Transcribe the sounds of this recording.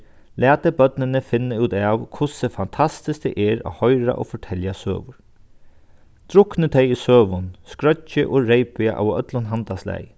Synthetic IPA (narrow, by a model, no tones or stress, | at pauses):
læːt̪əbœt̪nɪnəfɪnːəʉːt̪aːwkʰʊsəfant̪ʰast̪ɪsk̚t̪ɛ̰ʔɛɾa̰ːhɔjɾa̰ʔo̰ːfɔʈʰɛljasø̰ːʋʊɹ | t̪ʰɾʊknət̪ʰɛjisøːʋʊnskɾœt͡ʃəʔoɹejpɪaʔa̰ːwœ̰t̪lʊnɦant̪aslæ̰j